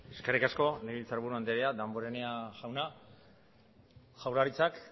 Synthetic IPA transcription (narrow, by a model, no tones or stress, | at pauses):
eskaɾikasko̞neβilt͡saɾβuɾuand̪eɾead̪amboɾeneaʝawna | ʝawlaɾit͡sak